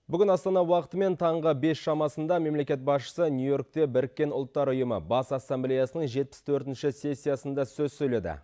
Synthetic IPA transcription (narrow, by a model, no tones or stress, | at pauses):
bʏɡʲɪnɑst̪ɑnɑwɑqə̥t̪əme̞nt̪ʰɑɴʁəbe̞sʃɑmɑsənd̪ɑme̞mle̞kʲe̞t̪̚bɑsʃə̥sənʲjujo̞rk̚t̪e̞bɪɾɪkʲːe̞nʊ̰lˠt̪ːɑɾʊjəmə̰bɑsɑsːemblʲejasənəɴʒe̞t̪̚pɪ̥st̪ʰɵɾt̪ɪnʃɪse̞sʲːijasənd̪ɑsɵzsɵjle̞d̪ɪ̰